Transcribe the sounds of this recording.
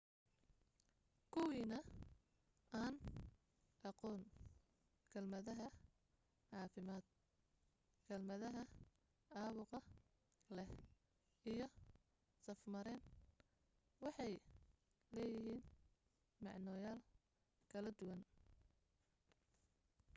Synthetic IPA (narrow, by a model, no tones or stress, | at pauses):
kʰʊwiːnɐ | aːn | ʔɑqɔːn | kʰɐlmɐðɐɦɐ | ʕɑːfɪmaːd̪ | kʰɐlmɐðɐɦɐ | aːβʊqɑ | lɛh | ijɞ | sɐfmɐɾɛːn | wɑħɑj | lɛːjɪɦiːn | mɑʕnɔːjaːl | kʰɐlɐd̪ʊwɐn